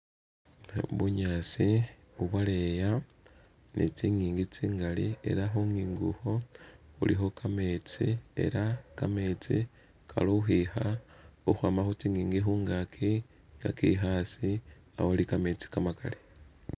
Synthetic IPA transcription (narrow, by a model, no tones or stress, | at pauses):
βuɲaːsi | uβwaleja | nʔḭt͡siŋiːŋɡit͡siːŋɡalie̞̰ɾaxuŋiːŋɡuxo̞xṵlixo̞kʰame̞t͡sie̞̰ɾakame̞t͡si | kʰa̰louxixauxwaːmaxot͡siːŋiːŋɡixuːŋɡakʰi | ŋɡakḭxasi | a̰wolikamet͡si̥kamaka̰li